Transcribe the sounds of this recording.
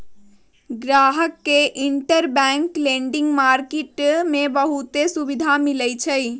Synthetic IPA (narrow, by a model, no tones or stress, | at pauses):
ɡɾaɦəkːeʔiɳʈəɾbɛ̃ŋkleɳɖiŋɡmaɾkeʈmebəɦut̪esubid̪ʱamilɛt͡ʃʰəj